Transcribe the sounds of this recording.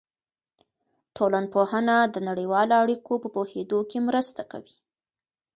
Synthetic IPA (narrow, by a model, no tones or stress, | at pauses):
ʈolan̚pohənad̪ənaɽəjwɑloaɽikʰopəpohed̪okemɾəst̪aka̰wi̥